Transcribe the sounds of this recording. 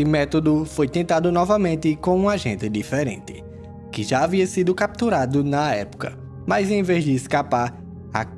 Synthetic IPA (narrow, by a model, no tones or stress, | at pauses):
ɪmɛt̪od̪ʊfojt̪ẽnt̪ad̪ʊnɔvɐmẽnt̪ɪkõũaʒẽnt̪ɪd̪ifeɾḛ̃nt̪ɪ̥ | kɪʒaːviɐsid̪ʊkap̚t̪uɾad̪ʊnɐɛpʊ̥kɐ̰ | majzẽj̃vezd̪ɪːskapaɾ | a̰